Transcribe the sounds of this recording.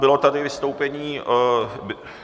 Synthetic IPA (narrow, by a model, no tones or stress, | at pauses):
bɪlo̞t̪adɪvɪst̪o̞wpɛɲiː | b